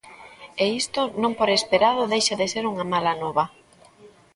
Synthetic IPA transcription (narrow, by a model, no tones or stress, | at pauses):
eist̪ʊnõŋpoɾespeɾað̞ʊðejʃaðeseɾuŋamalanɔβɐ